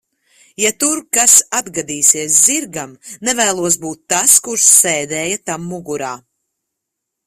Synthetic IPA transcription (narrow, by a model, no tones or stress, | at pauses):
jat̪uɾkasad̪ɡad̪iːsiɛs̬ziɾɡamnɛvæːlˠuɔs̬buːt̪ːaskuɾsːɛːd̪ɛːjat̪amːuɡuɾaː